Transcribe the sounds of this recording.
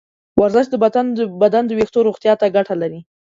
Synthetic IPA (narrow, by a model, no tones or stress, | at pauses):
waɾzɪʃd̪əbad̪anbad̪and̪əwext̪oɾoɣt̪jɑt̪aɡaʈʰalaɾi